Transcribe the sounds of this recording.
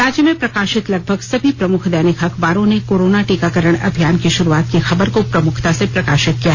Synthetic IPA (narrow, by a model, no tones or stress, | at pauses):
ɾaːd͡ʒjəmẽpɾɐkaːʃɪt̪lɐɡ̚bʱəɡsɐbʱipɾɐmʊkʰd̪ɛːnɪkʰɐkʰbaːɾõnekoːɾoːnaʈiːkakəɾəɽ̃ɐ̰bʱjaːnkiʃʊɾuaːt̪kixɐbəɾkopɾɐmʊkʰt̪asepɾɐkaːʃɪt̪̚kijaɦ